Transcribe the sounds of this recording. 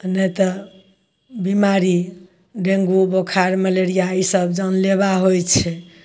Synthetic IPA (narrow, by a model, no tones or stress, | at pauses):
nɛt̪ɔ | bimaɾi | ɖẽŋɡubokʰaɾməleɾijaisəbd͡ʒənleβaɦojt͡ʃʰɛ